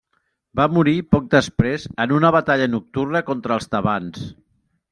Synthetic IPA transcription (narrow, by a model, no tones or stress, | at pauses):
bamuɾipɔk̚d̪əspɾezənunəβət̪aʎənuk̚t̪urnəkɔnt̪ɾəːlˠst̪əβans